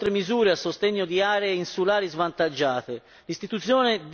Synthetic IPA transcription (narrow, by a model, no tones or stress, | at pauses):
t̪ɾemizuːɾeasːost̪ɛɲːod̪iaːɾeinsulaːɾizvant̪ad͡ʒːaːt̪e | list̪it̪ut̪sjɔːned̪